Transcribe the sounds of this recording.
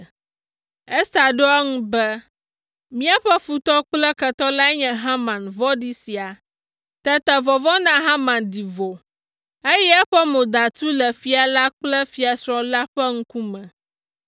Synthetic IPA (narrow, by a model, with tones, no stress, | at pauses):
ɛ˦st̪a˨ɖo˦ɛ˦ŋũ˦bɛ˦ | mĩ˦a˦ɸɛ˦fu˨t̪ɔ˦k͡plɛ˦kɛ˨t̪ɔ˦la˦ɲɛ̃˨ɦã˦mã˨nvɔ˦ɖi˦si˨a˨ | t̪ɛ˦t̪ɛ˨vɔ˨vɔ˦nã˦ɦã˦mã˨ndi˨vo˨ | e˦jɛ˦ɛ˦ɸɛ˦mõ˨d̪a˨t̪u˦lɛ˨fi˨a˨la˦k͡plɛ˦fi˨a˨sɾɔ̃˨la˦ɸɛ˦ŋ̩̃˦ku˦mɛ̃˨